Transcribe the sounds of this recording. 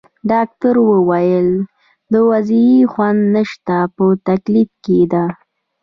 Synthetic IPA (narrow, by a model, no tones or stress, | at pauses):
ɖɑk̚t̪aɾwəwajəl | d̪əwaziixwand̪nəʃt̪apət̪aklifked̪a